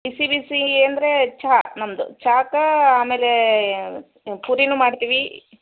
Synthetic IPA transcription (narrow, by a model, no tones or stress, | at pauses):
bisibisieːɐnd̪ɾet͡ʃaːnɐmd̪ṵt͡ʃaːkɐaːmeːle | puɾinuːmaːɖt̪iːʋi